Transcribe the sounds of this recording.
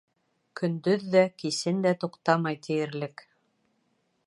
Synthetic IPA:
kʰɵ̆nd̪ɵðːækisɘnd̪æt̪uqt̪ɑmɑjt̪ʰɘ̆jɘ̆ɾlɘk

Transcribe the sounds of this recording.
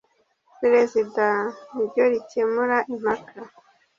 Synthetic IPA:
peɾezidaibɟoɾice̞muɾaʔim̥hakʰa

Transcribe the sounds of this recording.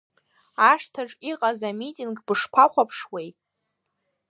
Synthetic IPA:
aʂtʰaʈ͡ʂʼiqʼazamitʼinɡbɨʂpʷʰaχʷapʰʂwejtʼ

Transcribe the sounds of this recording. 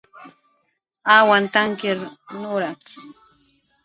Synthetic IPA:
awant̪aŋkɪɾnʊɾak

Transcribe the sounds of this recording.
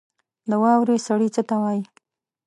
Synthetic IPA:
ləwɑwɾesaɽit͡sət̪awɑji

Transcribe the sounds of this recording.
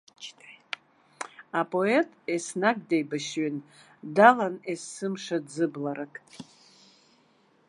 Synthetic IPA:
apʼo̞e̞tʼesnaɡdejbaʃɥin | dalanesɨmʂadzɨblaɾakʼtʼ

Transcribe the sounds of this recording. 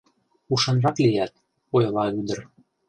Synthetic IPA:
uʃɤ̆nrɑklijæt̪̚ | ojlɑyd̪ə̆r

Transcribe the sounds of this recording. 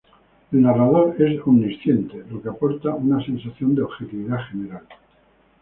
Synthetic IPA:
elnarað̞o̞ɾe̞somnisθje̞nt̪elo̞keapo̞ɾt̪aunase̞nsaθjo̞nd̪eoβxet̪iβiðaxe̞ne̞ɾal

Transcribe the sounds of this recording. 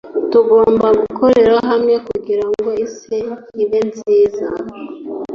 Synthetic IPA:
tuɡo̞ːmbaɡukʰo̞ɾe̞ɾaɦamŋe̞kuɡiɾaŋɡo̞iseiβenziːza

